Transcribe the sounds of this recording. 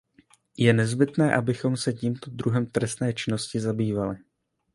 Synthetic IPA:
jɛnɛzbɪt̪nɛːʔabɪxo̞msɛciːmt̪o̞d̪ɾuɦɛmt̪ɾɛst̪nɛːt͡ʃɪno̞scɪzabiːvalɪ

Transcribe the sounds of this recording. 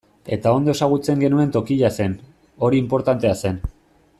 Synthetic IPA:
e̞t̪ao̞nd̪oe̞saɣ̞ut͡se̞ŋɡe̞nue̞nt̪o̞kiʎase̞n | o̞ɾiːmpo̞ɾt̪ant̪e̞ase̞n

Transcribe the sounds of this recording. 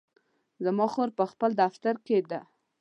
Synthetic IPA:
zamɑxoɾpəxpəld̪aft̪aɾked̪a

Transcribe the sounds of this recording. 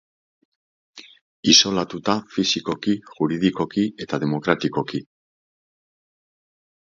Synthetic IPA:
iso̞lat̪ut̪afisiko̞kiʝuɾiðiko̞kie̞t̪aðe̞mo̞kɾat̪iko̞ki

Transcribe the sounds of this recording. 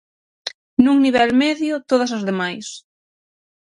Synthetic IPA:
nuŋniβɛlmɛðjʊt̪oð̞ɐsɐzðemajs

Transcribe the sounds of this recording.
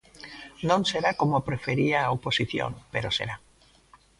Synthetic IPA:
nõŋseɾakomopɾefeɾiaoposiθjo̰ŋpeɾosḛɾa

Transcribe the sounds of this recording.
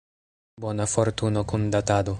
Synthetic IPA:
bwɔnafoɾt̪unokund̪at̪aːd̪o

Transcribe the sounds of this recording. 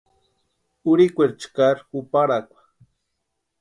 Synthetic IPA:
uɾikʷeɾt͡ʃkaɾxupaɾakʷwḁ

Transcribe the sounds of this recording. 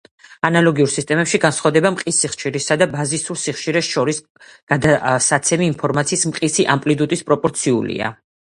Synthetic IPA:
analˠɔɡiuɾsist̪ʼɛmɛpʃiɡansχavd̪ɛbamqʼisːiχʃiɾisad̪abazisuɾsiχʃiɾɛsʃɔɾis | ɡ̥ad̪asat̪sʰɛmiːnpʰɔɾmat̪sʰiːsmqʼisiʔampʼlid̪ut̪ʼispʼɾɔpʼɔɾt̪sʰiṵlḭa̰

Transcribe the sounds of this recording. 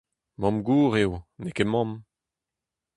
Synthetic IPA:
mɑ̃mɡuːʁewnekemɑ̃m

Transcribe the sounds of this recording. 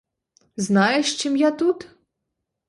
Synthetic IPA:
znajɛʂt͡ʃɨmjat̪ut̪

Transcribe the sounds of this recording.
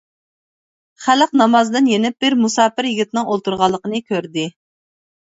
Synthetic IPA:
χæləqnɑmɑzd̪ɨnjenɪp̚b̥ɪɾmusɑːpɪɾjiɡʲit̪ɪnɨŋolˠt̪uɾʁɑlˠːəqənɨkʲʰøɾd̪ɪ

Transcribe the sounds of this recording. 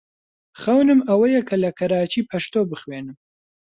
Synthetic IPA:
xawnɨmawəjakʰalakʰaɾɑːt͡ʃipʰaʂt̪obəxweːnɨm

